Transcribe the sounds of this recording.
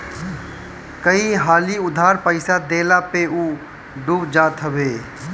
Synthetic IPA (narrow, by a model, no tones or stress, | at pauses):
kəiɦaːliʊd̪ʱaːɾpəɪsad̪eːlapeuː | ɖubd͡ʒaːt̪ʰəʋeː